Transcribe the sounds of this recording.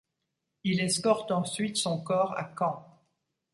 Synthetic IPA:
ilɛskɔʁt̪ɑ̃sɥit̪sɔ̃kɔːʁa̰kɑ̃

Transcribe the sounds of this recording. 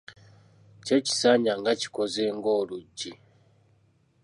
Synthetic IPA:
ce̞ci̥saɲaŋɡaci̥ko̞ze̞ːŋɡo̞ːluɟːi

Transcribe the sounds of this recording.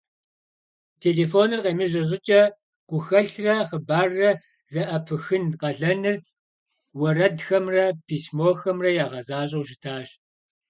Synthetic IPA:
tʰeːleːfoːnɨrqɐmɨʑɐʑ̬ɪt͡ʃʼɐ | ɡ̥ʷʊxɐɬrɐχəbaːrːɐ | zɐʔɐpʰɨxɨnqɐɮɐnɨr | wɐrɐdxɐmrɐpʰiːsmoːxɐmrɐjaːʁɐzaːɕ̬ʼɐwʒɪtʰaːɕ

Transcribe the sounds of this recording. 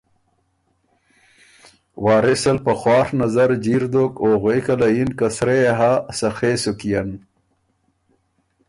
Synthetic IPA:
waːɾesɐlpɐxwaːɾnɐzɐɾd͡ʑiɾd̪okoːɣekɐlɐjinkɐsɾeɦasɐxeːsukijɐn

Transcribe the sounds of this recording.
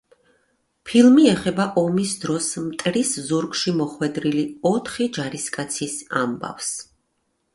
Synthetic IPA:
pʰilˠmiɛχɛbaʔɔmisd̪ɾɔsmt̪ʼɾiszuɾkʃimɔχwɛd̪ɾiliɔt̪ʰχid͡ʒaɾiskʼat̪sʰisa̰mba̰fs

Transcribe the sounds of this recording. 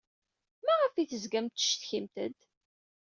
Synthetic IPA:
mæʁəfiθəzɡæmt̪ːə̥ʃt̪çimt̪ə̰d̪

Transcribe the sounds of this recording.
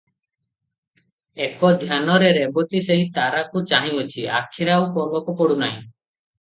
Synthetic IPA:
ekɔd̪ʱjanɔɾeɾebɔt̪iseɦit̪aɾakut͡ʃaɦĩɔt͡ʃʰia̰kʰiɾaukɔlɔkupɔɽunaɦḭ̃

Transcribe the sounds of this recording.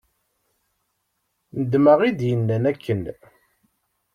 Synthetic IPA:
nəd̪məʁid̪jənːænækʰːən

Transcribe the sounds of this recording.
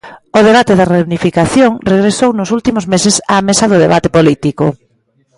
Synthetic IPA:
ʊð̞eβ̞at̪eðɐreunifikaθjoŋreɣɾesownʊsult̪imʊzmesesamesɐðʊðeβat̪epolit̪ikʊ̰

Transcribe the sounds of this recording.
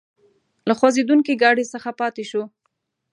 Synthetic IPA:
laxwazed̪uŋkiɡɑɽesəxapɑt̪eʃo

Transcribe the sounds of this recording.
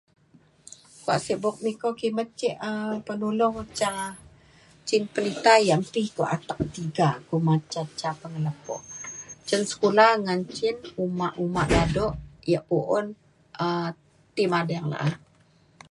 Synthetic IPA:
kua̰ʔsəʔbɔk̚mikokimət͡ʃiʔəpənulʊŋt͡ʃa | t͡ʃinpəlit̪ajaʔmpihkuʔat̪ak̚t̪iɡakumat͡ʃat͡ʃapəŋələpɔ̰ʔt͡ʃənsə̥kulahŋant͡ʃinumaʔumaʔdadɔʔjəʔpuʔʊn | ə | t̪imadaaŋla̰ʔah

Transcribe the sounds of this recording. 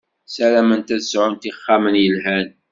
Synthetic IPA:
sælæmənt̪æzʕʊnt̪iχːamənjəlɦæn

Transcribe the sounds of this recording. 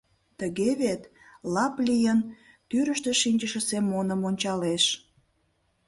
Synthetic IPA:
t̪əɣeβet̪ | lɑplʲijən | t̪yɾəʃt̪əʃinʲt͡ɕəʃə̆semːonəmonʲt͡ɕɑleʃ

